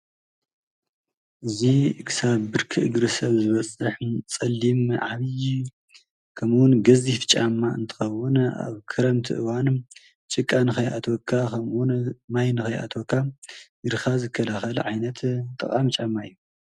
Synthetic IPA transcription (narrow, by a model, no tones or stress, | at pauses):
ʔɨzikʰɨ̥saβːɨɾkʰɨʔɨɡɾɨsɐβzɨβɐt͡sʼɨħt͡sʼɐlːimʕaβɨj | kʰɐmwʊnɡɐzifɨ̥t͡ʃʼamːaɨnt̪ʰɨ̥xɐwʊna̰βkʰɨɾɐmt̪ʰɨ̰ʔɨwanɨm | t͡ʃʼɨkʼːanɨxɐjʔa̰t̪ʰokʰːakʰɐmwunmajnɨxɐjʔa̰t̪ʰokʰːajɨɾxazɨkʰːɐlaxɐl̰ʕajnɐt̪ʰt̪ʼɐ̰χʼamt͡ʃʼɐmːaɨjːu